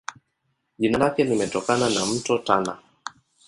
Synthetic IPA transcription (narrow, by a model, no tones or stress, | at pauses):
ʄinalakɛnimɛtɔkananam̩tɔtana̰